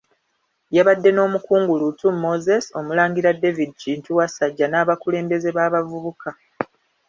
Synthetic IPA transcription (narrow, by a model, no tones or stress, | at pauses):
jaβadːe̞no̞ːmukuːŋɡulutumːo̞ze̞so̞mulaːŋɡiɾade̞vidit͡ʃintuwasaɟːanaːβakule̞ːmbe̞ze̞βaːβavuβuka